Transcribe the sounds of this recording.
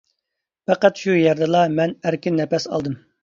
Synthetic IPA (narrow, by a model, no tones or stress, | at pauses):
pɛqæt̪ʃujɛɾd̪ɨlˠɑmɛnæɾkʲinːɛpɛsɑ̰lˠd̪ɨm